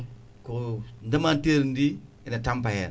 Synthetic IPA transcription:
kondəmanteɾndi | ɪnatampahɛɾ

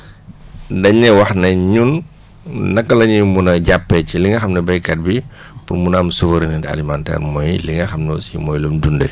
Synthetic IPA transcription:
dɐɲːɛwɐxnɐɲunː | ɐkːɐlɐɲimunɐɟapːɛciliŋɡɐxɐmnɛbɐjkɐt̚bi | purmunamsufɐɾinintɐ̰limantɛ̰ːrmɔjliŋɡɐxɐmnɔsḭmɔːjlumdundə̰

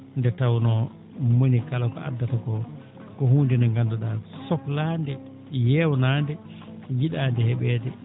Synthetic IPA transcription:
ndɛtawnɔ | monikalakɔ̰a̰dːatakɔ | kɔhuːndinɔŋɡandɔɗasɔklaːndɛ | jɛwnaːndɛ | ɡiɗaːndɛhɛɓɛːdɛ

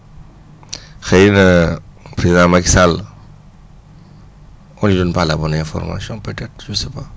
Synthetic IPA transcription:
xɛjnəpɾezidãmɐksal | ɔ̃nidɔnpalabɔnɛ̃fɔ̰rma̰sjɔ̃pøtɛt̪ʒəsɛpa

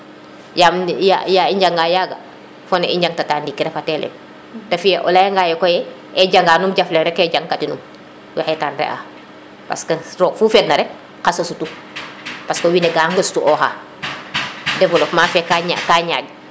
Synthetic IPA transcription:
jamja̰jaiɲɟaŋɡaːjaːɡɐ̰ | fɔnɛiɲɟaŋtɐtaːndikːiɾɛfatɛlɛ̰ | tɐfijɛʔɔ̰lajɐŋɡajɛkɔjɛ | ɛɟaŋɡaːnumɟaflɛŋɾɛkɛɟaŋkatinum | wɛxɛtaːnrɛ̰ʔa̰ː | pɐ̰skɐrɔːfufɛtnɐɾɛk̚ | kasɐsutu | pɐskɐwinɛɡaːŋɡɐsu̥tuʔɔxa̰ː | dɛvɔlɔkmafɛkaɲa̰kaːɲa̰ːɡ̚

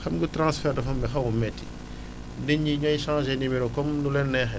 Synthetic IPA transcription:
xɐmɡutɾãːsfɛːrdɐfɐmːɛxɐwumɛtːi | nəɲːiɲɔjʃãːʒenimiɾɔkɔmnulɛnːɛxɛ

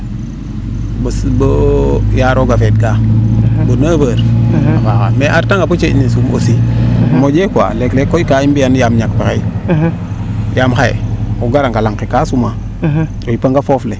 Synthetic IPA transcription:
bəsbəjaɾoɡafetɡabənaːbəːɾafakameʔaɾtaŋɡapət͡ʃenisumo̰simod͡ʒeka̰leklekoikaimbijanjamɲakpəɾai | jamxajḛoɡaɾaŋɡalaŋkekasuma | oipaŋɡafofle

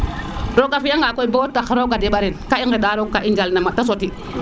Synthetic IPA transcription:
ɾokafiaŋɡakoibotːaxɾoɡadiɓaɾinkaiŋɡeɗaɾokaʔind͡ʒalnamatas̬oti

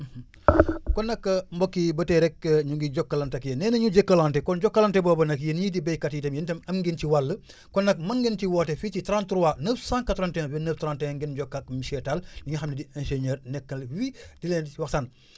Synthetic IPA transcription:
kɔnːɐkːɐmbɔkːibɐtɛɾɛkːəɲuŋɡiɟɔkːɐlɐntɐkjenɛːnɐɲuɟɛkːɐlantɛkɔnɟɔkːɐlantɛbɔːbɐnɐkjenɲidibɛjkatitɐmjintɐmɐmɡintiwalːə | kɔnːɐk̚mɐŋɡɛntiwɔːtɛfit͡ʃitɾãntɾuwanəːfsãːŋkɐtɾɐntɛ̃wɛnəftɾãntɛŋɡɛnɟɔkːak̚miʃɛtalniŋɡɐxɐmnidiɛ̃nʃeɲɛːɾnɛkːɐlwidilɛnwɐxsan

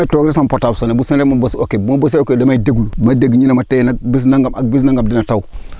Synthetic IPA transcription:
itoɡɾisampotabsonebusinemabosokebumabosiokedamaideɡulumadeɡɲinamatenabis̬naŋɡama̰k̚bisnaŋɡamdinatau

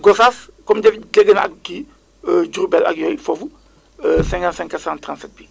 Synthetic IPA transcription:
ɡɔsaskɔmɟɛflɛɡənɐ̰k̚ki | əɟuɾubɛlɐ̰kjɔjfɔfu | əsɛ̃ŋkãntsɛ̃ŋkːɐsãntɾãntsɛt̚bi

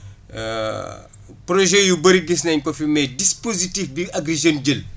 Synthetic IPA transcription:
proʒɛjubɐɾiɡis̬nɐɲkɔfimɛdispozitifbiɐɡɾezonɟəl

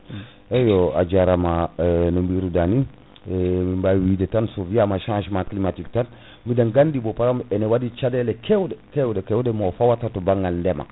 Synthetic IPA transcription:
ejoa̰d͡ʒaɾamanombiɾudani | mimbawidetansoviamaʃãʃmaklimatik̚tan | midanɡandibopaɾamenewadit͡ʃadelekewdekewdekewdemofawatatobaŋɡalndema̰

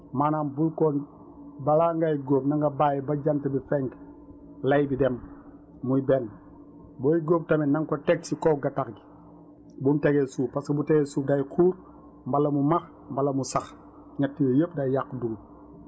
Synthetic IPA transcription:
manaːmbulkɔn | balaŋɡajɡoːpnaŋɡɐbajibaɟantɐbifɛŋɡ | lɐjbidɛm | mujbɛn | boːiɡoːp̚tɐminaŋkotɛk̚sikɔɡatakɡi̥ | bumteɡesuːpaskɐbuteɡesuːdajkʰuːɾ | mbalɐmumax | mbalɐmusax | ɲatːijojəp̚dajjakːduɡu

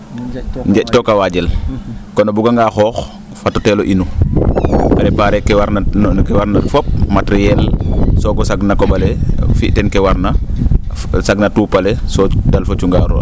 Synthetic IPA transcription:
ɲɟectokawaɟelkonobuɡaŋɡaxɔːx | fatoteːloʔinu | pɾɛpaɾekːewaɾnakewaɾnaɾfop̚matɾijɛlsoɡosaɡnakobalefiʔtɛnkewaɾna | saɡnatuːpalesodalfot͡ʃuŋɡaɾṵ

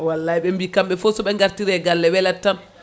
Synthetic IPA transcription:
walːaiɓɛmbikamɓɛfɔsɔɓɛŋɡaɾtiɾɛɡalːɛwɛlatːan

